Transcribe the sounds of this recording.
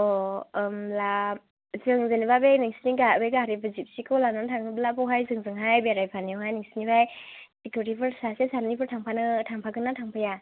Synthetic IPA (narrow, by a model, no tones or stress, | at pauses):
ɔmla | zɯŋzɯnibabeniŋsiniɡabeɡaɾibɯzip̚sikʰɔlanantʰaŋnɯblabɔwɦajzɯŋzɯŋɦajbeɾajpʰaniwɦajniŋsi̥nibajtikʰoɾipʰɯɾsasesaɾnibʰɯɾtʰaŋpʰanɯtʰaŋpʰaɡɯnatʰaŋpʰaja